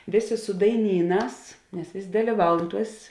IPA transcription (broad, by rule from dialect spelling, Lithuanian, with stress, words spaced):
ˈʋʲeːˌsʲeː sʊ dɐɪˈnʲiːˌnɑːs nʲɛs ˈʋʲeːsʲ dɐlʲiːˈʋɐʊn ˈtuɔs